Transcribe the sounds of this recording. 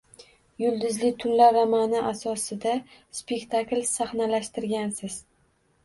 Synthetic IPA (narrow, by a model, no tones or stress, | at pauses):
jʊlˠd̪ɪzlɪt̪ʰʊnlaɾːamanɪʔasɒsɪd̪aspe̞kt̪ʰaklsaχnalaʃt̪ɪɾɡʲansɪz̥